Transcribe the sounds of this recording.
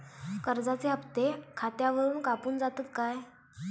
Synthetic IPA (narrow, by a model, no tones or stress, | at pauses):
kəɾd͡zat͡seəpt̪ekʰat̪jaʋəɾuːnkapuːnd͡zat̪ət̪̚kaj